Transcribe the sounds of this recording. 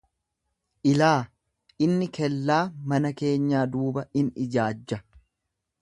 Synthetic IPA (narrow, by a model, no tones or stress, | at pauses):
ʔɪlaː | ʔɪnːɪkɛlːaːmɐnɐke̞ːɲːaːd̪uːbɐɪnɪd͡ʒaːd͡ʒːɐ